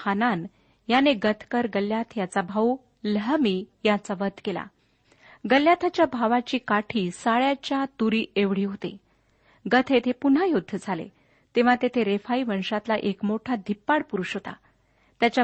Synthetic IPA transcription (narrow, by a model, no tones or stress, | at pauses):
anan | janeɡət̪ʰkəɾɡəljat̪ʰjat͡sabʱau | ləɦmiːjat͡saʋəd̪ʱkela̰ | ɡəljat̪ʰat͡ɕjabʱaʋat͡ɕiːkaʈʰiːsaɭjat͡ɕjat̪uɾiːeʋɽ̤iːɦot̪ḛ | ɡət̪ʰet̪ʰepun̤ajod̪ʱːəd͡zʱalḛ | t̪eʋ̤at̪et̪ʰeɾefaiʋəɳʂat̪laʔekmoʈʰad̪ʱipːaɽpuɾuɕɦot̪a̰ | t̪jat͡ɕa